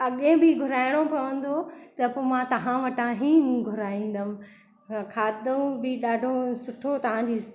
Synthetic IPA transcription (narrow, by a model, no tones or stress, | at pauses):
ɐɠẽbɪɡʱʊɾaːɪɽ̃opɐə̃n̆d̪ot̪ɐpomãt̪ɐɦãʋɐʈãɦĩːɡʱʊɾaːĩːn̆d̪əm̃ | kʰaːd̪ũbɪɗaːɖʱosʊʈʰot̪ɐʋ̤ãɲd͡ʑiːs